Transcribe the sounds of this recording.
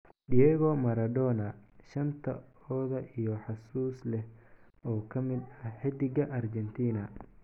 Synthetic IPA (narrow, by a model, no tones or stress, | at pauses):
diɛɣɔmɐɾɐd̪ɔːnɐʃɐnt̪ʰɐ̰ɔːðɐʔijɔħɑsuːslɛh | ɔːkʰɐmɪd̪ɐħɪd̪ɪɡɐʔɐrd͡ʒɛnt̪ʰiːnɐ